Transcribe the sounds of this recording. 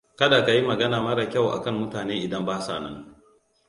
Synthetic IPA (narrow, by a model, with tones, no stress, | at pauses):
kɐ˦daː˨ka˨ji˦mɐ˨ɡɐ˦naː˨mɐ˦ɾa˨kʲa˦˨wʔa̰˨kɐ˦˨mːʊ˦taː˨neː˦ʔɪ˨dɐ˦mbaː˦sa̰ː˨nɐ̰˦ŋ